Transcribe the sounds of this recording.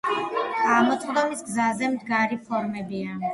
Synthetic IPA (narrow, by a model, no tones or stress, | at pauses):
ɡamɔt̪sχd̪ɔmisɡzazɛmd̪ɡaɾipʰɔɾmɛbia